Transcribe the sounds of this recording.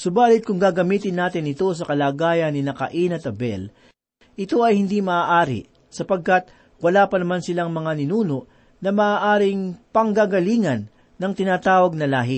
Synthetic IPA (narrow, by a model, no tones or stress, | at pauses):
sʊbaːlɪt̪̚kʊŋɡaːɡɐmiːt̪ɪnːaːt̪ɪnɪt̪o̞s̬ɐkɐlaːɡaːjɐnːɪnɐkɐ̰ʔinɐt̪ɐbɛ̰l | ʔɪt̪o̞ɐjhɪnd̪imɐaːʔaːɾɪ̰ | sɐpɐɡ̚kɐt̪̚ | wɐlaːpɐnɐmansɪlaŋmɐŋanɪnuːno̞ʔ | nɐmɐʔaːʔaːɾɪŋpɐŋɡaɡɐliːŋɐnː | ɐŋt̪ɪnaːt̪aːwɐɡ̚nɐlaːɦɪ